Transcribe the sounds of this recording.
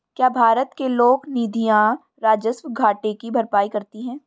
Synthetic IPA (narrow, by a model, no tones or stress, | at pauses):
kjaːbʱaːɾət̪keloːɡniːd̪ʱijã | ɾaːd͡ʒəsmɡʱaːʈekibʱɐɾpaːikɐɾt̪iɦɛ̃ː